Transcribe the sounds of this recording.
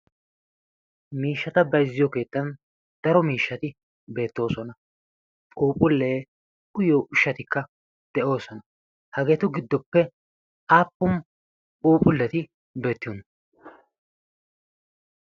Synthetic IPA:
miːʃːɐt̪ɐbɐjzːɪjɔke̞ːt̪ːɐn | d̪̥ɐɾɔmiːʃːɐt̪ɪ | be̞ːt̪ːo̞ːsɔnɐ | ʔuːpʼʊlːe̞ː | ʔʊjoːʔʊʃːɐt̪ɪkːɐ | d̪̥ɛʔo̞ːsɔnɐ | hɐɡe̞ːt̪ʊɡɪd̪ːɔpːɛ | ʔaːpːʊm | uːpʼʊlːɛt̪ɪ | be̞ːt̪ːɪjon

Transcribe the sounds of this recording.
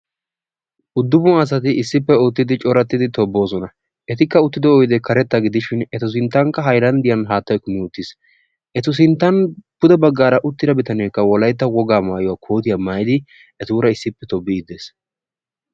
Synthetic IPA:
ʔʊd̪ːʊbʊɐs̬ɐt̪̬ɪɪsːɪpːɛʊt̪ːɪd̪ɪt͡ʃʼɔɾɐt̪ːɪd̪ɪt̪ɔbːo̞ːsɔnɐ | ʔɛt̪ɪkːɐʊt̪ːɪd̪ɔɔjɪd̪ɛkʰɐɾɛt̪ːɐɡɪd̪ɪʃɪnɛt̪ʊs̬ɪnt̪ːɐŋkːɐɦɐjɾɐnd̪ɪjɐnɦaːt̪ːɐjkʊmɪʊt̪ːɪs | ʔɛt̪ʊs̬ɪnt̪ːɐnb̥ʊd̪ɛbɐɡːaːɾɐʔʊt̪ːɪd̪ɐbɪt̪ɐneːkːɐwɔlɐjt̪̬ːɐwɔɡaːmaːjɔwaːkʰoːt̪ɪjamaːjɪd̪ɪ | ɛt̪uːɾɐɪsːɪpːɛt̪ɔbːɪɪd̪eːs

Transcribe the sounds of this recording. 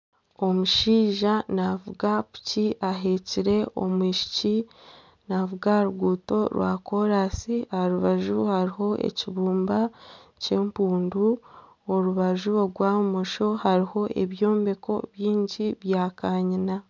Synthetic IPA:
o̞muʃiːʒanavuɡapu̥ciʔaɦeciɾe̞o̞̰mwiːʃi̥ci | navuɡaɾuɡuːto̞ɾwʔa̰ko̞ɾasiaaɾuβaʒuhaɾiɦo̞ʔḛciβuːmbace̞ːmpuːndu | oɾuβaʒuoɾɡwaumoʃo̞haɾiho̞ʔḛβjo̞ːmbe̞kʰo̞̰βjiːɲɟiβjaːkaːɲina

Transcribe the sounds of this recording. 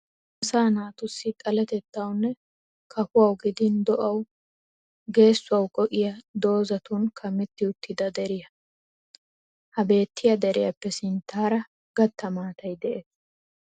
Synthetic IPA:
ʔɐsaːnaːt̪ʊsːɪt̪ʼɐlɐt̪ɛt̪ːɐwnːɛ | kʰɐfʊwɐwɡɪd̪ɪnd̪ɔʔɐw | ɡe̞ːsːʊɐwkʼɔʔɪjɐd̪o̞ːzɐt̪ʊnkʰɐmːɛt̪ːɪʊt̪ʰːɪd̪ɐd̪ɛɾɪjɐ | hɐbe̞ːt̪ːɪjɐd̪ɛɾɪjɐpːɛsɪnt̪ːaːɾɐ | ɡ̥ɐt̪ːɐmaːt̪ɐjd̪ɛʔes

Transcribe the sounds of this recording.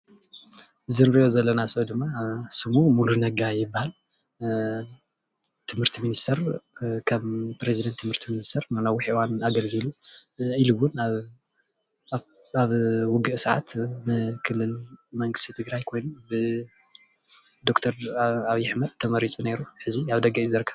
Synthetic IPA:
ʔɨzinɾɨʔozɐlːɐnasɐd̪ɨmːasɨmumulunɐɡajɪbːahal | t̪ʰɨmhɨɾt̪ʰiminist̪ʰɐɾkʰɐmpɾezid̪ɐnt̪ʰːɨmhɨɾt̪ʰiminist̪ʰɐɾnanawʊħʔɨwanaɡɐlɡɨluiluwʊnaβ | aβwʊɡɨʔsɐʕa̰t̪mɨkʰɨlːɨlmɐŋɡɨst̪ʰit̪ʰɨɡɾajkʰo̞jnubɨ | d̪okt̪ʰɐɾaβjɪħmɐd̪̚t̪ʰːɐmɐɾit͡sʼune̞ɾuħɨziaβd̪ɐɡɐizɐɾkʰɐ

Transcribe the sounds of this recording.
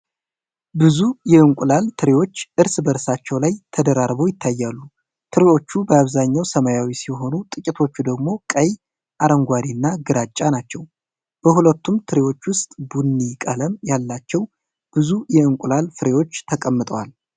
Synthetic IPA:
bɨzujɛɨŋkʷʼʊlalt̪ʰɨɾewo̞t͡ʃːʔɨɾsbəɾsat͡ʃːɛwlajt̪ʰəd̪əɾaɾbojɪt̪ʰːajːalːu | t̪ʰɨɾewo̞t͡ʃːubəaβzaɲːawsəmajawisijɦo̞nut̪ʼɨkʼit̪ʰo̞t͡ʃːud̪əɡmo̞kʼəj | ʔaɾəŋɡʷad̪inːaɡɨɾat͡ʃʼːanat͡ʃːɛw | b̥əhulət̪ːumt̪ʰɨɾewo̞t͡ʃːwʊst̪ʼbunːikʼələmjalːat͡ʃːɛw | b̥ɨzujɛɨŋkʷʼʊlalfɨɾe̞wo̞t͡ʃːt̪ʰəkʼəmːɨt̪ʼəwal

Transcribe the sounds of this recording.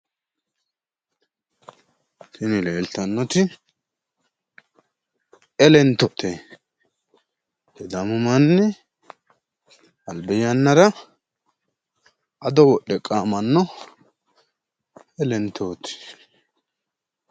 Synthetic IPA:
tɪnɪle̞ːlt̪ɐnːɔt̪ɪ | ɛlɛnt̪ːɔt̪ɛ | hɛd̪ɐmʊmɐnːɛ | ɐlbɛjɐnːɐɾɐ | ɐd̪ɔwɔɗːɛkʼaːmɐnːɔ | ɛlɛnt̪ʰːoːt̪ɪ̥

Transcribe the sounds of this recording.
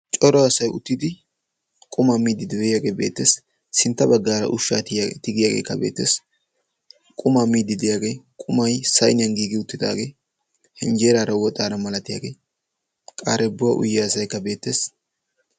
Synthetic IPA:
t͡ʃʼɔɾɔɐsɐjʊ̰t̪ːɪd̪ɪ | kʼʊmaːmiːd̪ːɪd̪ɪbɛjaːɡeːbe̞ːt̪ːeːs | sɪnt̪ːɐbɐɡːaːɾɐ̰ʔʊʃːaːt̪ɪt̪ɪɡɪjaːɡḛːkːɐbe̞̰ːt̪ːe̞ːs | kʼʊmamiːd̪ɪd̪ɪjaːɡe̞ːkʼʊmɐjsɐjnɪjɐnɡiːɡɪʊt̪ːɪd̪a̰ːɡe̞ː | hɛnd͡ʒeːɾaːɾɐwɔt̪ʼaːɾɐmɐlɐt̪ɪja̰ːɡe̞ː | kʼaːɾɛbːʊɐʔʊ̰jːɛsɐjkːɐbe̞ːt̪ːe̞ːs

